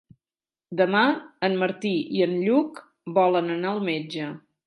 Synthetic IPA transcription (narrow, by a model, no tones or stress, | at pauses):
d̪əmaənməɾt̪iḭənʎuk | bɔlənənaəlˠmed͡ʒə